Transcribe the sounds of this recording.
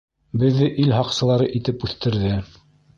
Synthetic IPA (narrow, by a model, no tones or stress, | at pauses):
bɘ̆ðːɘʔilɦɑqsɤ̆lˠɑɾɤʔit̪ɘpʉθt̪ɘ̆ɾðɘ